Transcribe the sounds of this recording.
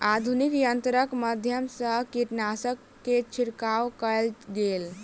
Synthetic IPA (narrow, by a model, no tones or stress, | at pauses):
ad̪ʱunikjənt̪ɾəkməd̪ʱjəmsəkiʈnasəkːet͡ʃʰiɾkawkəlɡel